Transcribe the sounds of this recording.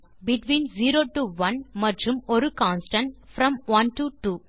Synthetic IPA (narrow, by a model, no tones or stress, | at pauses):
bɪʈʋĩːnziːɾoːʈuʋɐ̃nmɐʈɾɯmɔɾɯkãːnsʈɐ̃ɳfɾɐ̃mʋɐ̃nʈuʈuː